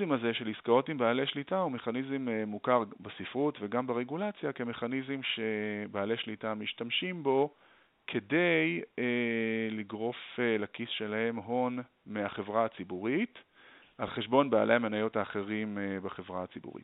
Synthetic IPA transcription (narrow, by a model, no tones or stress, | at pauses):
imazeʃe̞liskao̞timbaːleʃlitaume̞χanizememːukaʁbesifʁutveɡambeʁe̞ɡulat͡sjake̞me̞χanizimʃe̞baːleʃlitamiʃtamʃimbo̞ | kʰe̞dejeliɡʁo̞felakisʃe̞lahe̞mɦo̞n | meaχe̞vʁaːt͡sibuʁit | ʔalχeʃbo̞nbaa̰lʔejamenajo̞taːχe̞ʁimbaχe̞vʁaat͡sibṵʁḭt